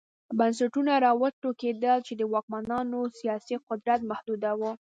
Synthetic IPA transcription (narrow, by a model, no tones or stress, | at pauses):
bans̬aʈunaɾɑwat̪oked̪əlt͡ʃed̪əwɑk̚manɑnosijɑsiqʊd̪ɾat̪mahd̪ud̪awu